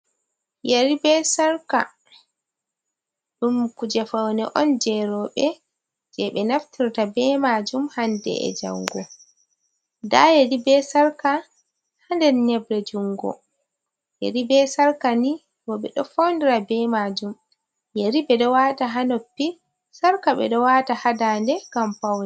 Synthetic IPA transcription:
jeɾibɛsaɾka̰ | ɗumkud͡ʒɛfawnɛʔɔnd͡ʒɛɾɔɓɛ | d͡ʒɛɓɛnaftʰiɾtabɛmad͡ʒumhandɛ̰ɛ̰d͡ʒa̰wɡɔ | da̰jedibɛsaɾka | handɛnɲɛbɾɛd͡ʒuŋɡɔ̰ | jḛɾibɛsaɾkani | wɔɓɛɗɔfawndiɾabɛmad͡ʒum | jeɾibɛɗɔwataɦanopːi | saɾkaɓɛ̰ɗɔwaːtahadandɛɡamfawnɛ

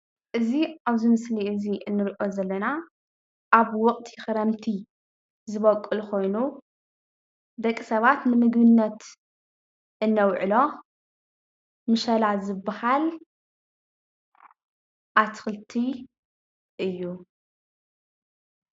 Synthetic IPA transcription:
ʔɨziaβzɨmɨsliɨziɨnːɨɾiʔo̞zɐlːɐna | ʔaβwɔkʼt̪ʰiɪxɨɾɐmt̪ʰi | zɨβɐkʼːɨlkʰo̞jnu | d̪ɐkʼːisɐβat̪nɨmɨɡbɨnːɐt̪ | ʔɨnːɐwʕɨlo̞ | mɨʃɐlazɨbːahal | ʔat̪ʰɨ̥xɨlt̪ʰi | ʔɨjːu

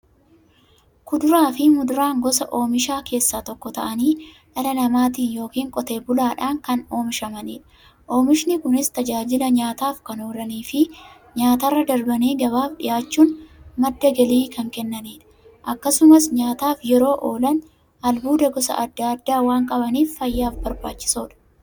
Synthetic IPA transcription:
kʊd̪ʊɾaːfɪmʊd̪ʊɾaːŋɡɔsɐʔo̞ːmɪʃaːke̞ːsːaːt̪ɔkːɔt̪ɐ̰ʔɐniː | ᶑɐlɐnɐmaːt̪̬iːnjo̞ːkiːŋkʼɔt̪e̞ːbʊlaːᶑaːŋkɐno̞ːmɪʃɐmɐniːᶑɐ̥ | ʔo̞ːmɪʃnɪkʊnɪst̪ɐd͡ʒaːd͡ʒɪlɐɲaːt̪aːfkɐno̞ːlɐniːfɪ | ɲaːt̪ɐrːɐd̪ɐɾbɐniːɡɐβaːfᶑɪjaːt͡ʃːuːnmɐd̪ːɐɡɐliːkɐŋkɛnːɐniːᶑɐ̥ | ʔɐkːɐsʊmɐsɲaːt̪aːfjɛɾo̞ːʔoːlɐn | ɐlbuːd̪ɐɡɔsɐ̰ʔɐd̪ːad̪ːaːwaːŋkʼɐbɐniːffɐjːaːfbɐɾbaːt͡ʃːɪ̥soːᶑɐ̥

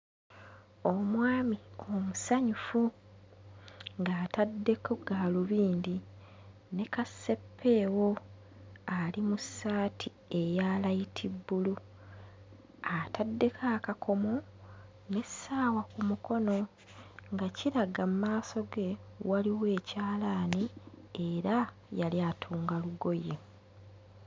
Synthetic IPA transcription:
o̞mwaːmio̞musaɲufu | ŋɡaːtadːe̞koɡaːluβiːndi | ne̞kasːe̞pʰːe̞ːwo̞ | alimusːaːtʰi | e̞jaːlajitʰibːulu | atadːe̞kʰaːkakʰo̞mo | ne̞saːwakumuko̞no̞ | ŋɡaciɾaɡammaːso̞ɡe̞waliwe̞ːcaːlaːnie̞ɾa | jaljatʰuːŋɡaluɡo̞je

